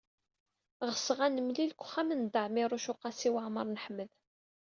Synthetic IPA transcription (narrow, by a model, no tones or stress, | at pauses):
ʁəsʁænəmlilkʷχːæmənd̪əʕmiɾˤʊʃʊqɑsiwaʕməɾˤnəħməð